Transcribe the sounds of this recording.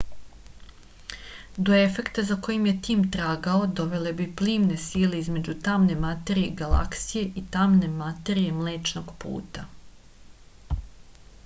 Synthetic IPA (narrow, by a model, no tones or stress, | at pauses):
d̪o̞e̞fe̞kt̪azako̞jimje̞t̪iːmt̪ɾaːɡao̞d̪o̞ʋe̞le̞bipliːmne̞siːle̞izme̞d͡ʑut̪amne̞mat̪e̞ɾijeiɡala̰ksije̞ʔit̪amne̞mat̪e̞ɾije̞mle̞ːt͡ʃno̞ɡpṵːt̪a